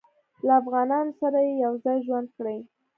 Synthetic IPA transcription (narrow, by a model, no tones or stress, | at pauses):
laːfɣɑnɑnosaɾajejawzɑjʒwand̪̚kɽaj